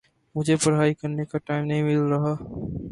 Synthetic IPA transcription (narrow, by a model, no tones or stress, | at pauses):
mʊd͡ʒʱepɐɾɦaːikɐɾnekaʈaːɪmnɐɦĩmɪlɾɐɦaː